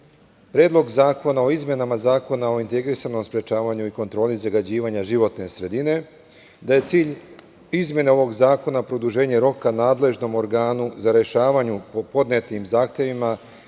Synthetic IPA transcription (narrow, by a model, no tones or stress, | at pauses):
pɾeːd̪lˠo̞ɡzaːko̞nao̞izmje̞namazaːko̞nao̞int̪e̞ɡɾisano̞mspɾe̞t͡ʃaːʋaɲuiko̞nt̪ɾo̞ːlizaɡad͡ʑiːʋaɲaʒiʋo̞t̪ne̞sɾe̞d̪ine̞ | d̪aje̞t̪siːʎ | izmʲje̞neo̞ʋo̞ɡzaːko̞napɾo̞d̪uʒe̞ːɲeɾo̞kanaːd̪le̞ʒno̞mo̞ɾɡaːnuzaɾe̞ʃaːʋaɲupopo̞d̪ne̞t̪imzaːxt̪je̞ʋima